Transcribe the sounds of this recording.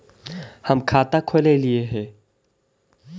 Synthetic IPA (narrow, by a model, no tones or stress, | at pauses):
həmkʰaːt̪akʰolelieɦɛ̃ː